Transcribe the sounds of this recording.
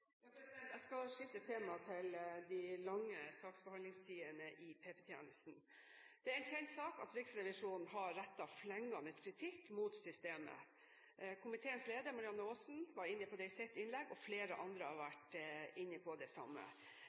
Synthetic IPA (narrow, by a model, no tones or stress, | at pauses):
ɛæskɑlʂɪft̪ət̪ʰːeːmɑt̪ʰɪld̪ɪlɑŋːəsɑːksbəhɑnd̪ɪŋst̪ʰiːənəʔɪpʰeːpɛt̪ʰjɛ̰ːnəsn | d̪̥ɛæɾɛnçɛnt̪sɑːkɑ̰t̪ɾɪksɾɛʋɪʂuːnn̩ɦɑːæt̪ːɑʋflɛŋːɑnəskʰɾɪt̪ʰɪkːmut̪sʏst̪eːmə̰ | ʔkʰʊmɪt̪ʰeːənsleːd̪əɾmɑɾɪɑnːəoːsn̩ʋɑɾɪnːəpʰɔd̪ɛɪsɛt̪ːɪnlɛɡɔfleːɾə̰ʔɑnd̪ɾəhɑɾʋæʈɪnːəpʰɔd̪ɛsɑ̰mːə̰